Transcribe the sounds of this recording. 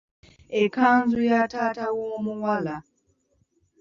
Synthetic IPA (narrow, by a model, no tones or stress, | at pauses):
ekːaːnzujataːtawomuwala